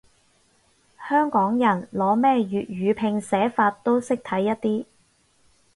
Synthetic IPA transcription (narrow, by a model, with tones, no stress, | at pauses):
hœː˥ŋkɔː˨˥ŋjɐ˨˩nlɔː˨˥mɛː˥jyː˨t̚jyː˨˧pʰɪ˧ŋsɛː˨˥faː˧t̚t̪ːo˥wsɪ˥k̚t̪ʰɐ˨˥jːɐ˥t̚t̪iː˥